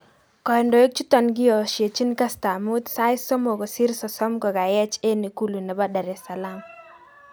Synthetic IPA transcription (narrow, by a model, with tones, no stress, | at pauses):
kɔ˨ɛ˨ndɔ˨e˦k̚t͡ʃu˦t̪ɔ˨nɡɪ˦ɔ˨ʃje˨t͡ʃi˦nka˦sta˨mʊ˦t̪sa˦ɪ˦sɔ˦mo˨ɡo˨si˦ɾsɔ˨sɔ˦mkɔ˨ɡa˨jɛ˦t͡ʃe˦ni˨ku˦lu˨na˨ba˦da˨ɾɛ˨sa˨la˦m